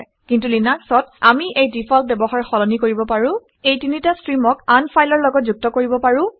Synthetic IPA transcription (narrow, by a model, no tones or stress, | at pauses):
kintulinaksɔt̚amiʔejdipʰɔlp̚bɛbɔxaɹxɔlɔnikoɹibɔpaɹʊ̃ | ejtinitastɹimɔkanpʰajlɔɹlɔɡɔt̚zuk̚tɔkoɹibɔpaɹʊ̃